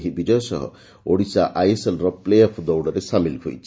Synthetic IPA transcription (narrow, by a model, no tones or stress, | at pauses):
ɦibid͡ʒɔjɔsɔɦɔ̰ | oɽisaʔajeselɾɔplejɔpʰd̪ɔwɖɔɾesamilɦo̰jt͡ʃʰi̥